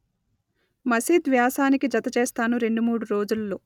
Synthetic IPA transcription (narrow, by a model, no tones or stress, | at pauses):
mɐsiːd̪ʋjaːsaːnikid͡ʒɐt̪ɐt͡ʃeːst̪aːnuɾe̞ɳɖumuːɽuɾo̞ːd͡ʒulːo̞ː